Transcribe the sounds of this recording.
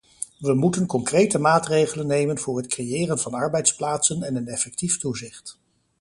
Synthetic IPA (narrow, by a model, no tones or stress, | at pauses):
ʋəmutənkɔŋkrejtəmaːtrejχələnːejmənvʊːɹɦətkrejɪːrənvɑnɑɹbɛjtsplaːtsənɛnənɛfɛk̚tiftuzɪχt